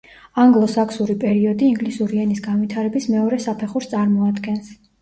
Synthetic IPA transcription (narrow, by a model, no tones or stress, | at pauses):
aŋɡlˠɔsakʰsuɾipʼɛɾiɔd̪iːŋɡlisuɾiɛnisɡanvit̪ʰaɾɛbismɛɔɾɛsapʰɛχuɾst̪sʼaɾmɔad̪ɡɛns